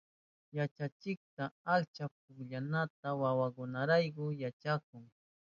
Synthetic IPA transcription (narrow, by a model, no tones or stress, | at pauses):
jat͡ʃat͡ʃɪk̚t̪aakt͡ʃap̚ʊkʎanat̪awawakʊnaɾajkʊjat͡ʃak̚ʊŋ